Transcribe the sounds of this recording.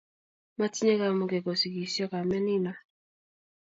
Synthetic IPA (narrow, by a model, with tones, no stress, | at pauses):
ma˦ti˦ɲe˦ka˨mo˨ɡe˨ɡɔ˨si˨ɡi˨sjɔ˦ka˨mɛ˦nɪ˦ma˦